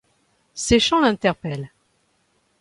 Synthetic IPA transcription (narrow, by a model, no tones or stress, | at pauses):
seʃɑ̃lɛ̃t̪ɛʁpɛl